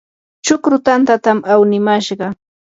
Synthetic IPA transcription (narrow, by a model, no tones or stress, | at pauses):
t͡ʃʊkɾʊt̪ant̪at̪amawnɪmaʃɢɑ